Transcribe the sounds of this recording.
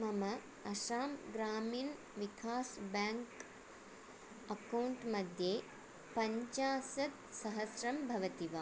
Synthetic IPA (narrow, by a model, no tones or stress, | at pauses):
mɐmɐ | ɐʃaːmɡɾaːmiːn | ʋikʰaːsbaːŋk | ɐkɐwɳʈmɐd̪ʱjeː | pɐɲt͡ʃaːsɐt̪sɐɦɐsɾɐmbʱɐʋɐt̪iʋaː